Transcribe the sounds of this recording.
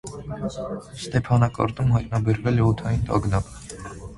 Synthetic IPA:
st̪ɛpʰɑnɑkɑ̰ɾt̪umɦɑjt̪̚nɑbɛɾvɛlɛɔt̪ʰɑjint̪ɑ̰ɡnɑp

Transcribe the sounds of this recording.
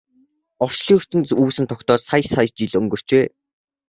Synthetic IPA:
ɔr̥t͡ɕɮiːɵr̥t̪ɘ̆nuːsɘ̆nt̪ʰɔkt̪ɔːsajsajst͡ɕiɮɵŋɡɵ̆r̥t͡ɕpeː

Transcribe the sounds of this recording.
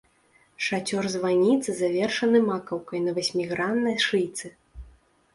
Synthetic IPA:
ʂat͡sʲɔrzvanʲit̪sɨzavʲɛrʂɐnɨmakɐwkɐjnɐvasʲmʲiɣɾanːɐjʂɨjt̪sɨ

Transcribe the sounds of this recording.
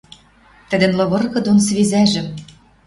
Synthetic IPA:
t̪ə̆d̪ə̆nlɤ̆βɤ̆rɣɤ̆d̪onsβizæʒɘ̆m

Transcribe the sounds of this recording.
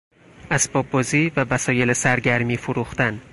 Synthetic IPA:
asbɒbːɒzivavasɒjelɪsaɾɡʲaɾmifʊɾʊχt̪ʰan

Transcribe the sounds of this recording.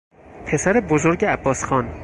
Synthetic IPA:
pʰe̞sæɾebozoɾɟeæbːɒːsxɒːn

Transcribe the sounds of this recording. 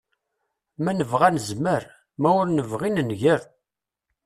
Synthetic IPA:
mænəvʁænəzməɾ | mæʊɾnəvʁinənʝəɾ

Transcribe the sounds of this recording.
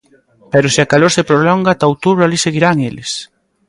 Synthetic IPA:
peɾʊseakaloɾsepɾolɔŋɡat̪aowt̪uβɾʊaliseɣiɾaŋelɪs

